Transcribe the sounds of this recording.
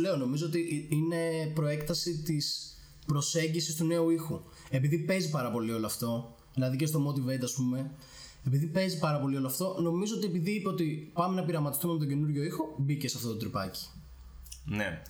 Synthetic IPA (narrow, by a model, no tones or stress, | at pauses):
le̞ono̞mizo̞ot̪iʔine̞pɾo̞e̞kt̪ɐsit̪is | pɾo̞se̞ɲɟisist̪une̞uixu | epiðipe̞zipɐɾɐpo̞lio̞loɐft̪o̞ | ðilɐðicest̪o̞mo̞t̪ivet̪ɐspume̞ | epiðipe̞zipɐɾɐpo̞lio̞loɐft̪o̞no̞mizo̞ot̪ie̞piðiipeo̞t̪ipɐme̞nɐpiɾɐmɐt̪ist̪umemet̪o̞ɟe̞nuɾʝo̞ixobicesɐft̪o̞t̪ot̪ɾipɐci̥ | nḛ